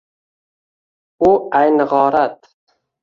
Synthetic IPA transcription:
ʊajnɨʁɒːɾat̪

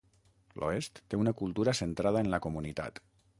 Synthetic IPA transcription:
lʔo̰est̪ːeunəkulˠt̪uɾəsənt̪ɾaðəənləkumunit̪a̰t̪

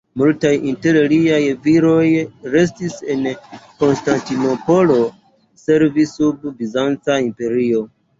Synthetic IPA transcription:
multajinte̞ɾliajviɾo̞jɾe̞s̬tise̞nko̞nstantino̞po̞lo̞ | se̞ɾvisːubvizant͡saimpe̞ɾio̞

